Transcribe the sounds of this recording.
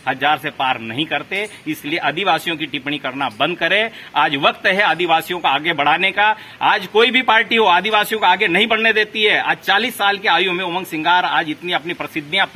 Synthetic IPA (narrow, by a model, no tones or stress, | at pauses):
hɐzaːɾsepaːɾnɐɦĩkɐɾt̪eɪslieʔɐd̪ʱɪʋaːsijõkiʈɪpɳikɐɾnabɐ̃nd̪̚kɐɾẽaːd͡ʒʋɐkt̪ɦɛaːd̪ɪʋaːsijõkaaːɡebɐɽ̤aːneka | aːd͡ʒkoːibʱipaːɾʈiɦoaːd̪iʋaːsijõkaaːɡenɐɦĩbɐɽ̤ned̪eːt̪iɦɛa̰ːd͡ʒt͡ʃaːliːsːaːlkeaːjumẽomə̃ŋɡsɪ̃ŋɡaːɾaːd͡ʒɪt̪niɐpnipɾɐsɪd̪njãp